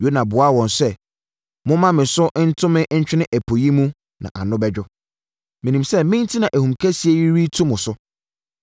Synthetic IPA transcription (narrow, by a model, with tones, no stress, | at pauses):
jo˨˦nã˨bʊ˨a˦wɔ̃˨nsɛ˦ | mʊ̃˦mã˦mɪ̃˨sʊ˦ʔn̩˦tʰʊ̃˦mɪ̃˦ʔɲ̩˦t͡ɕᶣɪ˦nɪ̃˦ʔæ˨pʰo˨ji˦mũ˦ | nã̰˨ʔa˨nʊ̃˦bɛ˦d͡ʑᶣʊ˦ | mɪ̃˨nĩ˨msɛ˦mɪ̃˦n˦tʰi˦nã˨ʔæ˨hũ˨mkʰæ˦si˨˦e˦ɥi˦ɾi˦tʰʊ̃˦mʊ̃˨sʊ˦